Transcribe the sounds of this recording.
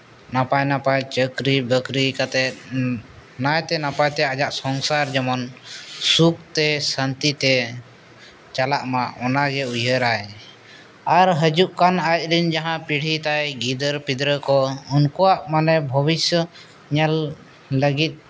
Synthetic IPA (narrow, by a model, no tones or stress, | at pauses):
napajnapajt͡ʃəkɾibəkɾikat̪ɛt̪̚ | najt̪ɛnapajt̪ɛad͡ʒaʔsɔŋsaɾd͡ʒɛmɔnsukt̪ɛsant̪it̪ɛ | t͡ʃalaʔmaɔnaɡɛujəɾaj | aɾɦəd͡ʒuʔkanajt̪̚liɲd͡ʒaɦãpiɽ̤it̪ajɡid̪əɾpid̪ɾəkɔunkɔwaʔmanɛbʱəbisjə | ɲɛlː | əɡit̪̚